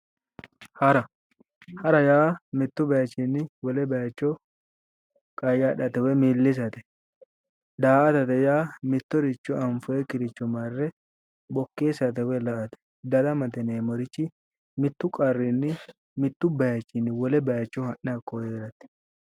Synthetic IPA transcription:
hɐɾɐ | hɐɾɐjaːmɪt̪ːʊbɐjɐt͡ʃːinːɪwɔlɛbɐjɐt͡ʃːɔ | kʼɐjːaːᶑɐt̪ɛwɛmiːlːɪs̬ɐt̪ɛ̥ | d̪aːʔɐt̪ɐt̪ɛjaːmɪt̪ːɔɾɪt͡ʃːɔɐɱfʊɛkɪɾɪt͡ʃːɔmaɾrːɛ | bɔkːeːsɐt̪ɛwɛlɐʔt̪ɛ̥ | d̪ɐd̪ɐmɐt̪ɛneːmɔɾɪt͡ʃːɪ | mɪt̪ːʊkʼɐrːɪnːɪ | mɪt̪ːʊbɐjɐt͡ʃːɪnːɪwɔlɛbɐjɐt͡ʃːɔhɐʔɪɐkːojeːɾɐt̪ɛ̥

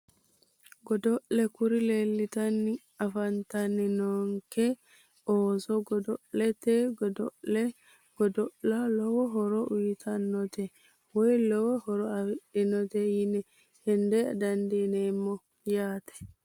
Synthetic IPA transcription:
ɡɔdɔʔlɛkuɾilelːitanːi | afantaninɔŋkɛ | ʔɔsɔɡɔdɔlɛtɛɡɔdɔɛ | ɡ̥ɔdɔʔlalɔwɔɦɔɾɔujitʰanːɔtɛ | wɔjlɔwɔhɔɾɔawiɗinɔtɛjinɛ | hɛndɛa̰dandinɛmːɔ | jaːtɛ̥

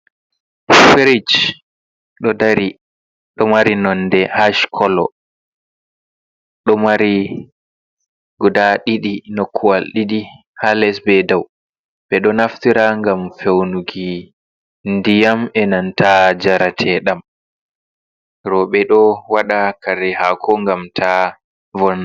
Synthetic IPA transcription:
feɾid͡ʒ | ɗɔdaɾi | ɗɔmaɾinɔndɛhaʃkʰɔlɔ | ɗɔmaɾi | ɡɔdaɗiɗinokʰːuwalɗiɗi | halɛsbɛdaw | ɓɛɗɔnaftiɾaŋɡamfewnuɡi | ndijamɛnantad͡ʒaɾatʰɛɗam | ɾɔɓɛɗɔwaɗakaɾɛhakɔŋɡamtʰa | vɔn

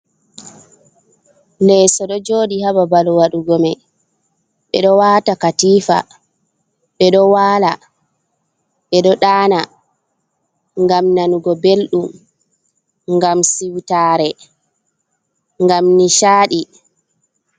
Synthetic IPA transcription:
lɛsɔɗɔd͡ʒoːdihababalɔwaɗuɡɔmaj | ɓɛɗɔwatakatiːfa̰ | ɓɛɗɔwaːla | ɓɛɗɔɗaːna | ŋɡamnanuɡɔbelɗum | ŋɡamsiwtaɾɛ | ŋɡamniʃaːɗi

